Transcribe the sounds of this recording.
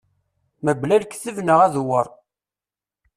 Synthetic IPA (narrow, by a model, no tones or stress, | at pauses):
məblælkθəvnəʁæðwəɾˤ